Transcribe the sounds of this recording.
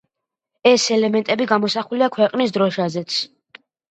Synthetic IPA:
ɛsɛlɛmɛnt̪ʼɛbiɡamɔsaχuliakʰwɛqʼnisd̪ɾɔʃazɛt̪sʰ

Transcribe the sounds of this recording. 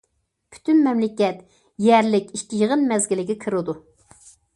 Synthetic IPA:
pʰy̥t̪ynmɛmlɪkʲɛt̪ | jɛɾlɪkʲiʃkʲijəʁənmɛzɡʲɪlɪɡʲɛkʰɨɾɨd̪u

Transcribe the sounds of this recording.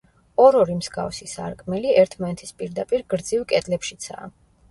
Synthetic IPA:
ɔɾɔɾimzɡa̰fsisaɾkʼmɛliɛɾt̪ʰmanɛt̪ʰi̥spʼiɾd̪apʼiɾɡɾd̪zivkʼɛt̪ʼlɛpʃit̪sʰa̰ː

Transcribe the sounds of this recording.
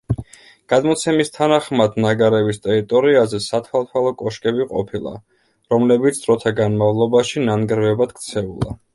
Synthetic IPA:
ɡ̥ad̪mɔt̪sʰɛmist̪ʰanaχmad̪naɡaɾɛbist̪ʼɛɾit̪ʼɔɾiazɛsat̪ʰwalˠt̪ʰwalˠɔkʼɔʃkʼɛbiqʼɔ̰pʰilˠa̰ | ɾɔmlɛbit̪sʰd̪ʼɾɔt̪ʰaɡanmavlˠɔbaʃinanɡɾvɛbad̪̥kʰt̪sʰɛṵlˠa̰

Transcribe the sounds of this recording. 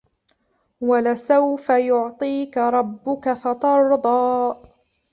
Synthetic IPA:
walɪsawfajʊʕt̪ˤiːkaɾˤɑbːʊkafɑt̪ɑɾˤd̪ˤɑː

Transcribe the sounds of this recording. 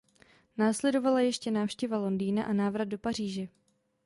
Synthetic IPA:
naːslɛdo̞valajɛʃcɛnaːfʃcɛvalo̞ndiːnaʔanaːvɾad̪̚do̞par̝iːʒɛ

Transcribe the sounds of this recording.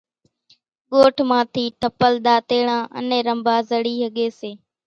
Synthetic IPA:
ɠoːʈʰmãːt̪ʰiːt̪əpəlɗ̪aːt̪eːɳãːʔə̰nẽːɾəmbʱaːzəɽiːɦəɠeːseː

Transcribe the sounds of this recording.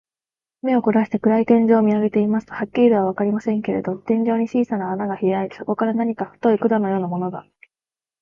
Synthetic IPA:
me̞o̞koɾaɕi̥t̪e̞kɯ̟ɾait̪ẽ̞ɲ̟d͡ʑo̞ːmʲiaɡe̞t̪e̞imasɨ̥t̪ohakʲːiid̪e̞β̞aβ̞akaɾʲimasẽ̞ŋke̞ɾe̞̰d̪o̞t̪ẽ̞ɲ̟d͡ʑo̞ːɲ̟it͡ɕiːsanaːnaɡaçijaiso̞ko̞kaɾanaɲ̟ikaɸɯ̟̥t̪o̞ikɯ̟d̪anojo̞ːnamo̞no̞ɡ̪a

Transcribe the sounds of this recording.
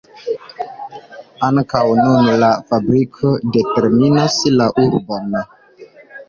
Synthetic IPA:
aŋkawnunlafabɾikʰo̞de̞te̞ɾminaslaʔuɾbon

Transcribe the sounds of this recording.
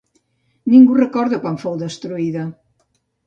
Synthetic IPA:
nĩŋɡurəkɔɾðekwanfowðəst̪ɾuiðɐ

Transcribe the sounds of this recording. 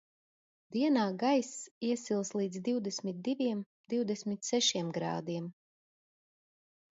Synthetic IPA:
d̪̥iɛnaːɡajsiɛsilˠslˠiːd̪zd̪iwd̪ɛsmit̪̚d̪ivʲiɛm | d̪̥iwd̪ɛsʲmit̪sɛʃiɛmɡɾa̰ːd̪iɛm

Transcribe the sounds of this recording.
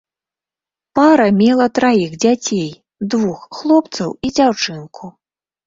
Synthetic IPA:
paɾɐmʲɛlˠɐt̪ɾajiɣd͡zʲat͡sʲej | d̪vuxːlˠɔpt̪sɐ̰wid͡zʲawt͡ʂɨnkʰu

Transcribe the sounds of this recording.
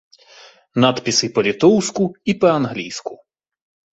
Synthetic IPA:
nat̪pʲisɪpɔlʲit̪ɔwsʲkʊipɔɐnɦlʲijsʲkʊ

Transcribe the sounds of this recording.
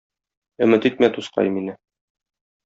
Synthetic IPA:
ɵ̆mɘt̪it̪̚mæt̪usqɑ̰jminɘ

